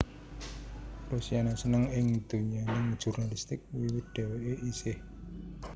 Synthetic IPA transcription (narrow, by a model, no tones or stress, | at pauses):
rusianasənəŋɪŋid̪̥uɲanɪŋ̥ʒ̥ṳrnalist̪ɪk̚wiwɪt̪̚d̪̥ɛ̤weʔeʔisɪh